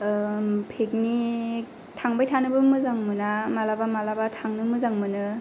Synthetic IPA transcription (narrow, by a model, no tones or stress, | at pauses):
pʰek̚ni | tʰaŋbajtʰanɯbɯmɯzaŋmɯnamalabamalabatʰaŋnɯmɯzaŋmɯnɯ